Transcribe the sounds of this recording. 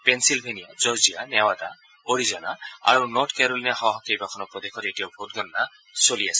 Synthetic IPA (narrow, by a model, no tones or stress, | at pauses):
pensilbʱenija̰d͡ʒɔɾd͡ʒianawad̪a | oɾizɔna̰a̰ɾunɔɾʈkeɾoliniaɦɔɦɔkejbakʰɔnɔpɾɔd̪ekʰɔɾeʈijawbʱot̪ɡɔnɔna | soliasʰi̥